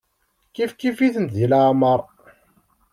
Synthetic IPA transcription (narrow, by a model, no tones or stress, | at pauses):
kifkifiθənt̪ðilaʕməɾˤ